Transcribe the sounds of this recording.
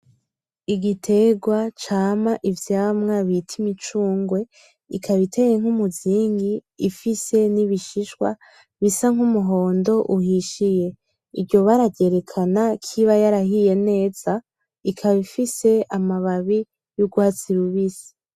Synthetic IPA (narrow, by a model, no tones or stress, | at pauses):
iɡitʰe̞ɡwat͡ʃaːmaʔivjaːmŋaβitʰimit͡ʃuːŋɡwe̞ | ikʰaβitʰe̞je̞ŋ̥humuziːŋɡiːfise̞niβiʃiʃwa | βisaŋ̥umuɦo̞ːndo̞ʔuɦiʃije̞ | iɟo̞βaɾaɟe̞ɾe̞kʰanakʰiβajaɾahije̞ne̞ːz̥a | ikʰaβifise̞amaβaβi | juɡwat͡siɾuβisi̥